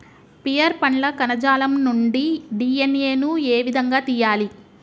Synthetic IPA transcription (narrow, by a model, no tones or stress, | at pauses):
pijɐɾpɐɳlɐkɐnɐd͡ʒaːlɐmnuɳɖiɖiːeneːnueːʋid̪ʱɐŋɡaːt̪iːjaːli